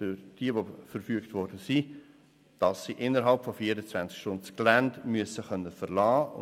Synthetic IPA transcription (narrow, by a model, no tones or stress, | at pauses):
fʏɾd̥iəʋofəɾfyəktvɔɾd̥əsi | d̥ɑsːiʔɪnːəɾɦɑlpfɔfiəɾət͡svænt͡skʃtʊnt͡sklændmyəsəχœnːəfəɾlɑːʊ̰